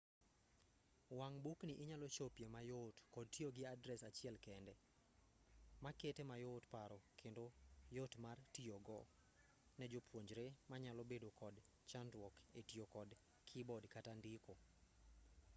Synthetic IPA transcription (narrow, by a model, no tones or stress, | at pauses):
waŋbukniʔɪɲalɔt͡ʃopjemajotkɔd̚tioɡɪadɾɛsat͡ʃɪɛlkɛndɛ | maketemajotpaɾɔkʰendojotmartioɡɔ | nɛd͡ʒopʰwoɲd͡ʒɾemaɲalɔbedokɔd | t͡ʃandwɔketiokɔd | kʰɪbɔdkatandiko